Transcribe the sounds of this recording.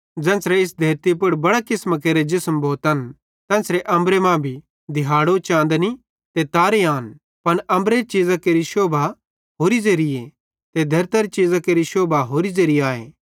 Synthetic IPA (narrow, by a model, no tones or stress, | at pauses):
d͡ʒɛ̃ːsɾɛɪsd̪ʱɐɾt̪ip̬ʊɽbɐɽakɪsmak̬eːɾed͡ʒɪsəmbʱoːt̪ən | t̪ɛ̃ːsɾɛʔɐ̃mbɾemãbʱi | d̪ʱɪɦaːɽot͡ʃãːnd̪ni | t̪et̪aːɾeaːn | pɐnɐ̃mbɾeɾit͡ʃiːzakeːɾiʃoːbʱa | ɦoːɾizɐɾije | t̪ed̪ʱɐɾt̪ɐɾit͡ʃiːzakeːɾiʃoːbʱaɦoːɾizɐɾiaːeː